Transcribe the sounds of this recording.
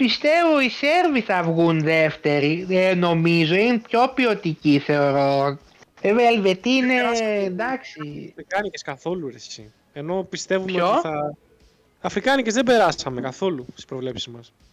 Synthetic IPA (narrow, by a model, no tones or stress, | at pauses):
pist̪e̞vo̞ise̞ɾviθɐvɣunðe̞ft̪e̞ɾieno̞mizo̞inepço̞pio̞t̪iciθe̞o̞ɾo̞ | veveelve̞t̪iinend̪ɐksiikɐniceskɐθo̞lueɾçḭ | e̞no̞pist̪e̞vumçeooθɐ | ɐfɾikɐnicezðebe̞ɾɐsɐme̞kɐθo̞lust̪ispɾo̞vle̞psizmɐs